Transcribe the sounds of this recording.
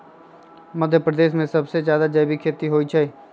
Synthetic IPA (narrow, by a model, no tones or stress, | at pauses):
mɐd̪ʱjəpɾəd̪eːʃmẽsɐbsezjaːd̪ad͡ʒɐjbikʰeːt̪iɦoːit͡ʃʰɐe